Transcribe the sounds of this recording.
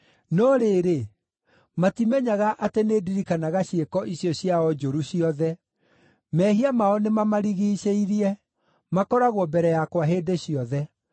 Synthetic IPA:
nɔɾeɾe | matimɛɲaɣaʔateneːdiɾikanaɣaɕekɔʔiɕiɔɕiaɔd͡ʒoɾuɕiɔðɛ | mɛɦiamaɔnemamaɾiɣiːɕeiɾiɛ | makɔɾaɣwɔbɛɾɛjakwaɦeːdeɕiɔðɛ

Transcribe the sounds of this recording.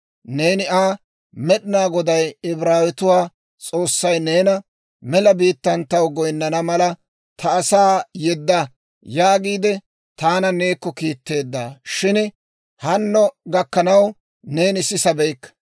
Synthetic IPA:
neːnɪʔaː | mɛɗɪnaːɡɔd̪ɐjɪbɾaːwɪt̪ʊwaː | t͡sʼo̞ːsːɐjneːnɐ | mɛlɐbiːt̪ːɐnt̪ːɐwɡɔjnːɐnɐmɐlɐ | t̪ʰɐːsaːjɛd̪ːɐ | jaːɡiːd̪ɛ | t̪aːnɐne̞ːkːɔkiːt̪ːe̞ːd̪ːaːʃɪn | hɐnːɔɡɐkːɐnɐw | ne̞ːnɪsɪsɐbɛjkːɐ̥

